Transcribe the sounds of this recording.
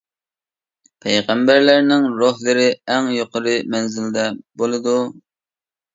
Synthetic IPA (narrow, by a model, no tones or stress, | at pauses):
pʰɛjʁɛmbæɾlæɾnɪŋɾoɦlˠɨɾɪɛŋjoqəɾɨmɛnzɪld̪ɛbolˠɨd̪u